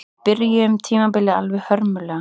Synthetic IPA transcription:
b̥ɪɾjʏmt̪ʰiːmabɪlːɪa̰lvɪhœɾmʏlɛ

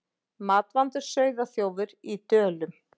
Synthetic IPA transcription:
maːt̪vant̪ʏɾ̥sœːɥðaθjoːwvɪɾit̪œːlʏm

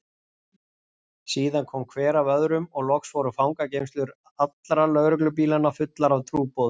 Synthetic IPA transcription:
siːðankʰɔmkʰvɛːɾavœðɾʏmɔɣlɔxsvɔɾʏfawŋkacejmst̪lʏɾ | at̪lɾalœɣɾʏklʏp̬iːlanːafʏt̪laɾavt̪ʰɾuːpowðʏ

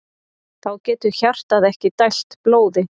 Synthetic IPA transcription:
θawcɛːt̪ʏɾçar̥t̪aðɛhcɪt̪ajl̥t̪ploːwðɪ

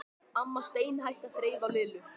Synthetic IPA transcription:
amːast̪eːjnɦajht̪aθɾeːjvawlɪːlʏ

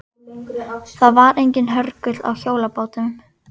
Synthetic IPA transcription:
θaðvaɾejɲcɪnɦœɾkʏt̪la̰wçoːwlapoːwt̪ʏm

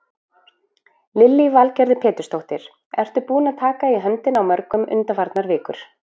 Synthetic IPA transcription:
lɪlːivalcɛɾðɪpʰɛːt̪ʏ̥st̪owht̪ɪɾ̥ | ɛ̰r̥t̪ʏpuːnat̪ʰaːkaiɦœnt̪ɪnawmœɾkʏmʏ̰nt̪afaɾt̪naɾvɪːkʏɾ̥

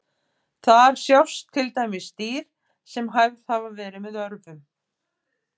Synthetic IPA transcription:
θaðaɾ̥sjawst̪ʰːɪlt̪aːjmɪsːt̪iːɾ̥ | sɛmɦajvðhavavɛːɾɪmɛðœɾvʏm

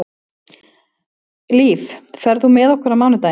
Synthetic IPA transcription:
liːffɛɾðumɛðɔhkɛɾamaːnʏt̪aː

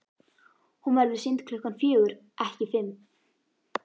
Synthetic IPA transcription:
hunvɛɾðɪðsɪnt̪kʰlʏhkanfjœːɣʏɾ | ʔɛhcɪfɪm

